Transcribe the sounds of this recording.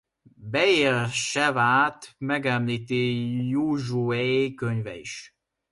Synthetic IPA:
bɛeːlʃɛvaːt̪mɛɡɛmliːt̪ijuʒuɛekøɲvɛ̰ḭʃ

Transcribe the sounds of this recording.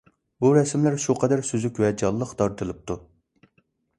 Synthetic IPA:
buɾɛsmlæɾʃuqʰɛd̪æɾsyzykʲwɛd͡ʒɑlˠːəqt̪ʰɑɾt̪ʰɨlˠɨp̚t̪ʰu

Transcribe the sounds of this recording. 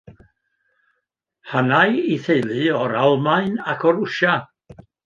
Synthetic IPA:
hanajiθejlˠɨɔɾalˠmaɨnakʰɔɾʊʃa

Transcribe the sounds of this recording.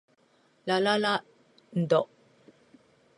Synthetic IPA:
lalala | n̩d̪ɔʔ

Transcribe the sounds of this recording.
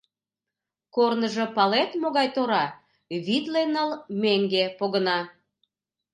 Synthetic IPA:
kornəʒɤ̆pɑlet̪moɣɑjt̪oɾɑ | βit̪lenəlmeŋɡepoɣənɑ

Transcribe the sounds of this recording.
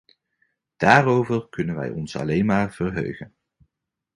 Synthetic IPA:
d̥aːrowvərkɵnənʋɛ̰jɔnsɑ̰lejnmaːrv̥ərɦø̰ɥχən

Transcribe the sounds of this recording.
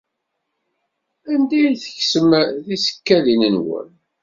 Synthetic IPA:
ænd̪æjiθəçsəmðisə̥kːæðinənwə̰n

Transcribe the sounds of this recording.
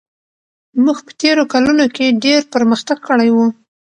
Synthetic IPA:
muɡpə̥t̪eɾokalunokeɖeɾpəɾməxt̪aɡ̚kəɽajwu

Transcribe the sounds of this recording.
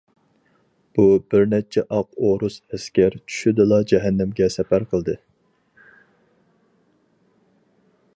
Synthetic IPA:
b̥ubɪɾnɛt͡ʃʰɛʔɑq̚oɾusɛskʲɛɾt͡ʃʰy̥ʃyd̪ɨlˠɑd͡ʒɛɦɛnːɪmɡʲɛsɛpæɾqʰəlˠd̪ɨ

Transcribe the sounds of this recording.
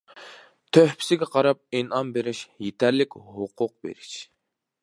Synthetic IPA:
t̪ʰøhpʰɪ̥sɪɡʲɛqʰɑɾɑp̚enɑnbeɾɪʃjet̪ʰæɾlɪkʲhʊqʰʊq̚bḛɾiʃ

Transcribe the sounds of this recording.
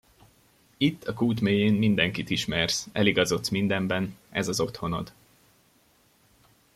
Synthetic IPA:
it̪ːɒkuːt̪meːjeːnmind̪ɛŋkit̪iʃmɛrsɛliɡɒzo̞t̪smind̪ɛmbɛnɛ̰zɒzo̞t̪ho̞no̞̰d̪

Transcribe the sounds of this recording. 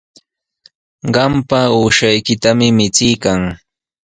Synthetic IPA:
ɢɑmpauːʃajkɪt̪amɪmɪt͡sɪjkaŋ

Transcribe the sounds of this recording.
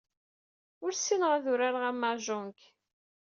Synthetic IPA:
ʊɾsinʁaðʊɾaɾʁæmːaʒʊŋk

